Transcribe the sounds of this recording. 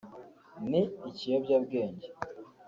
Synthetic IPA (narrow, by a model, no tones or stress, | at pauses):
niːcijobɟabɡeːɲɟe